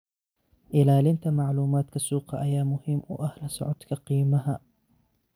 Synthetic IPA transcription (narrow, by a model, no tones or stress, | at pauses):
ʔɪlaːlɪnt̪amaʕluːmaːt̪kasuːqaʔajaːmʊhɪmːwʔahlasʊ̰ʕʊt̪kaqiːmaha